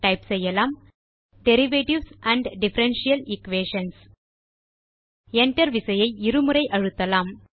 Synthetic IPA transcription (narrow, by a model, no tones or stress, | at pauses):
ʈɐɪpsɐjːɐlaːm | ɖɛɾɪʋeːʈɪʋsʔæ̃ɳɖɖɪfɐɾɛnʃijɐlɪkʋeːʂɐns | ɛɳʈɐɾʋɪsɐjɐɪɪɾɯmɯɾɐɪʔɐɻɯt̪ːɐlaːm